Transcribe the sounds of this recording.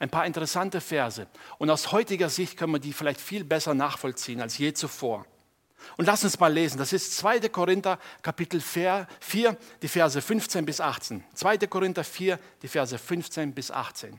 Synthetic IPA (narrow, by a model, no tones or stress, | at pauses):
ʔaɪnpaːɐɪntəʁɛsantəfɛɐzəʔʊntaʊshɔʏtɪɡɐzɪçt̚kʰœnviɐdiːfɪlaɪçtfiːlbɛsɐnaːχfɔlt͡siːənalsjeːt͡sufoːɐ | ʔʊntlasʊnsmaːlːeːzn̩d̥asɪstt͡sv̥aɪtəkʰoʁɪntɐkʰapɪtl̩feːɐfiːɐd̥iːfɛɐzəfʏnft͡seːnbɪsʔaχt͡seːnt͡sv̥aɪtəkoʁɪntɐfiːɐd̥iːfɛɐzəfʏnft͡seːnbɪsʔa̰χt͡sḛːn